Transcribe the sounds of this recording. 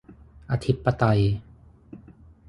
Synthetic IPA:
ʔa˧t̪ʰi˦˥pːa˧t̪a˧j

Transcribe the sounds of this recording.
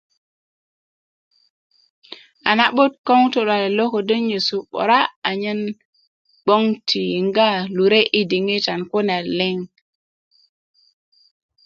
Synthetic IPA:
a˨na˨ɓo˦t̚ko˦ŋto˨ɗa˨le˨lo˦ko˨də˦nɲe˨su˨ɓo̰˨ɾa˦a˨ɲe˦n | ɓo˦ŋtʰi˨ŋɡa˦lu˨ɾe˦ʔi˦di˨ŋe˦ta˨nko˦na˨le˦ŋ

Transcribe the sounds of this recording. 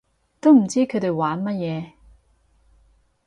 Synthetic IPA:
t̪o˥wm̩˨˩t͡siː˥kʰɵ˨˧˥t̪e˨jwaː˨˧˥nmɐ˥t̚jɛː˨˧

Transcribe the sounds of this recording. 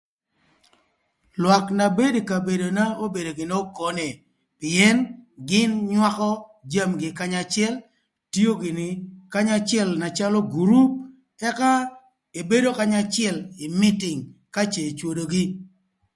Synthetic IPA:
lwa˨kna˨be˦dka˨be˨do˨na˦o˦be˨do˨ɡɪ˨no˦ko˨˦ne˨ | pɪɛ˦nɡɪ˦nɲwa˦kɔ˦d͡ʒa˦mɡɪ˨ka˦ɲa˨t͡ʃɪɛ˦l | ti˦o˦ɡɪ˨nɪ˨ka˦ɲa˦t͡ʃɪɛ˦lna˨t͡ʃa˦lo˦ɡu˨ɾu˦p̚ | tɛ˦ka˦ | e˨be˦do˦ka˦ɲa˦t͡ʃɪɛ˨lɪ˨mɪ˦tɪ˨ŋka˦t͡ʃe˨t͡ʃwo˨do˨ɡɪ˦

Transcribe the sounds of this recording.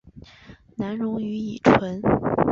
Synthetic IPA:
na˧˥nɻʊ˧˥ŋy˧˥i˨˩ʈ͡ʂʰwə˧˥n

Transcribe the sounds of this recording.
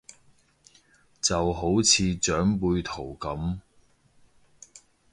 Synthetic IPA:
t͡sɐ˨wɦo˨˥wt͡sʰiː˨˧t͡ʃœː˨˥ŋpuː˧jt̪ʰo˨˩wkɐ˨˥m

